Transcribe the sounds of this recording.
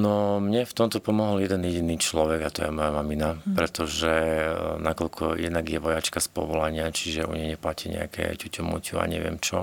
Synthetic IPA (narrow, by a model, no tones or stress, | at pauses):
nɔmɲɛft̪ɔmt̪ɔpɔmɔɦɔljɛd̪ɛnjɛɟiniːt͡ʃlɔʋɛɡat̪ɔjɛmɔjamaminapɾɛt̪ɔʒɛnakɔʎkʰɔjɛ̰d̪naɡjɛʋɔjat͡ʃkaspɔ̰ʋɔlaɲɪat͡ʃiʒɛṵɲɛjɲɛplaciɲɛ̰a̰kʰɛ̰cucɔmṵcua̰ɲɛʋɪɛ̰mt͡ʃɔ